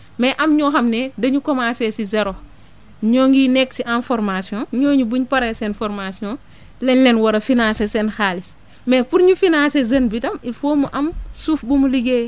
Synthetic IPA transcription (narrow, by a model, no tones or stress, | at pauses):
mɛʔɐmɲɔːxɐmnɛdɐɲukɔmaːsɛsizɛɾo | ɲɔːŋɡinɛksiʔãnfɔɾmasiɔ̃ɲɔːɲubuɲpɐɾɛsɛnfɔɾmasiɔ̃ː | lɛnlɛnwɐɾɐfinãːsesɛnxaːlis | mɛːfuɾɲufinãːsezɐnbidɐmifoːmuʔɐmsuːfbumuliɡeː